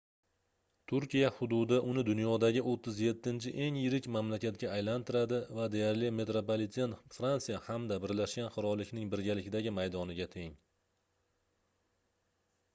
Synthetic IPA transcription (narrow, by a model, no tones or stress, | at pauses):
t̪ʰʊɾkʲijahʊd̪ʊd̪ɪʔʊnɪd̪ʊnjɒd̪aɡʲɪʔot̪ʰːɪzje̞t̪ʰːɪnt͡ʃʰɪʔe̞ŋjɪɾɪkʲmamlakʲat̪̚ɡʲaːjlant̪ʰɪɾad̪ɪvad̪e̞jaɾlɪme̞t̪ɾopolɪt̪senfɾansijahamd̪abɪɾlaʃɡʲanqɨɾɒlːɪkʲnɪŋbɪɾɡʲalɪkʲɪd̪aɡʲɪmajd̪ɒnɪɡʲat̪ʰe̞ŋ